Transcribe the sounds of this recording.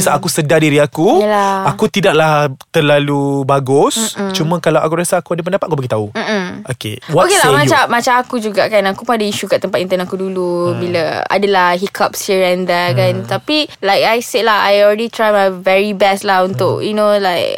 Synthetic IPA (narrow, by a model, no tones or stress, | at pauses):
isaakusədadiɾiakujəlaakut̪idaʔ̚laht̪əlalubaɡʊst͡ʃumə̃kalawʔakuɾasaːkuadapəndapat̪̚akubaɡit̪aum̩okḛwaokelamãt͡ʃamat͡ʃaakud͡ʒuɡaʔkanakupəadəiʃukaʔt̪əmpat̪int̪ənakudulubilaa̰dalahɦikʰap̚siəɹɛndakant̪apilajkajselaɦa̰jɔlɾɛdit̪ɾajmajvɛɹibɛstlaɦunt̪ʊ̰kjunolajk̚